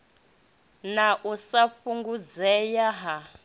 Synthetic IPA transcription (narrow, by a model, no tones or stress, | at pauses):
naʔusaɸuŋɡud͡zɛjaɦa